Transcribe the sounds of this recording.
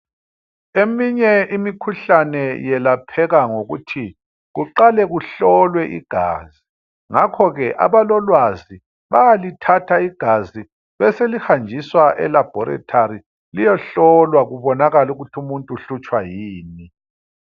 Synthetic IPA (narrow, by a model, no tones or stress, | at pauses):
emiɲɛimikʰuɬanɛjɛlapʰɛɣaŋoɣutʰi | ɣuǃalɛɣuɬɔlwɛʔḭɡ̥ʱa̰ːzi | ŋakʰɔɣɛʔa̰βalɔlwazi | βajalitʰatʰaiɡ̥ʱazi | βɛselixand͡ʒʱiswaʔɛ̰lab̥ʱɔɾɛ̰tʰaɾi | lijɔɬɔlwaɣuβɔnaɣaluɣutʰiumuntʼuɬut͡ʃʼwajiːni